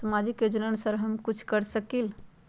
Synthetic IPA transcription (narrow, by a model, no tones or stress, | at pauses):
ɐmaːd͡ʒɪkjoːd͡ʒənənusaɾɦɐmkʊt͡ʃʰkɐɾsəkil